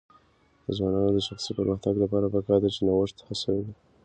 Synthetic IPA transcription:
d̪̥əzwɑnɑnod̪əʃaxsipəɾməxt̪aɡlapɑɾapəkɑɾd̪at͡ʃenawəʂt̪hasawedi

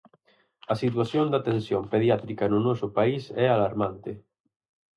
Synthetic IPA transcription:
ɐsit̪waθjond̪at̪ẽnsjompeðjat̪ɾikɐnʊnɔsʊpaisɛalaɾmant̪ɪ

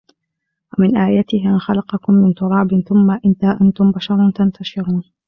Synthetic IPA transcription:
wamɪnʔaːjat̪ɪhʔanxalɑqɑkʊmːɪnt̪ʊɾˤɑːbɪnθʊmːaʔɪnt̪aːʔant̪ʊmbaʃɑɾˤʊt̪ant̪aʃɪɾuːn

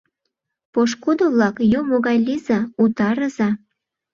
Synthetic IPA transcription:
poʃkud̪oβlɑkjumoɣɑjlizɑut̪ɑɾəzɑ

